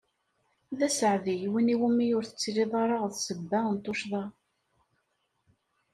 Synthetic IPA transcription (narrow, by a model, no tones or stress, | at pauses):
ðæsʕðijwiniwəmːijʊɾθə̥t͡sːɾiðˤɑɾˤɑʁθsəbːænt̪ˤːoʃðˤɑ